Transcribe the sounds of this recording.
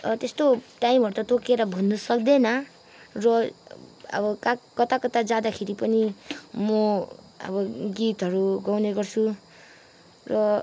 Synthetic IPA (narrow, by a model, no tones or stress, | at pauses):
t̪est̪oʈajimʌɾut̪ʌt̪okeɾʌbʱʌnːʌsʌk̚d̪enʌ | rʌ | ʌ̰bʌkakʌt̪akʌt̪ad͡zad̪akʰeɾipʌnimʌ | ʌ̰bʌɡit̪ɦʌɾuɡawneɡʌrt͡sʰu | rʌ